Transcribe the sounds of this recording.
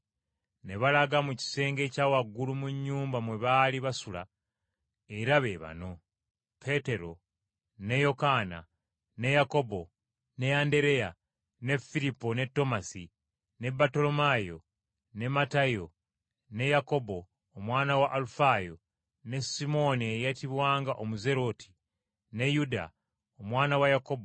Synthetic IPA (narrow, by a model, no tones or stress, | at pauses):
ne̞βalaɡamuci̥se̞ːŋɡe̞ːcaːwaɡːulumuɲːuːmbamwe̞βaliβasula̰ | e̞ɾaβe̞βa̰no̞ | pʰe̞te̞ɾo̞ | ne̞jo̞kaːna̰ | ne̞jako̞bo̞ | ne̞ande̞ɾe̞ja | ne̞fiɾipːone̞tːo̞masi | ne̞bato̞lo̞majo̞̰ | ne̞matajo̞ | ne̞jako̞bo̞ː | mwaːnawaʔːlufajo̞ | ne̞simo̞niejatiβwaːŋɡaʔomuze̞ɾo̞tʰi̥ | ne̞juda̰ | omwaːnawajako̞bo